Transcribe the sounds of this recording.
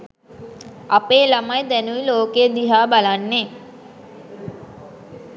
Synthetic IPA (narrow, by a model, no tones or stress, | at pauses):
apeːlamajd̪ænuʋiloːked̪iɦaːbalanːeː